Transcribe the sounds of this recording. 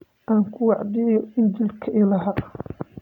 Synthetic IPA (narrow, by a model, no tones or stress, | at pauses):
ʔaːŋkʰʊwɑʕd̪ɪjɔɪnd͡ʒɪlkʰɐʔɪlɐɦɐ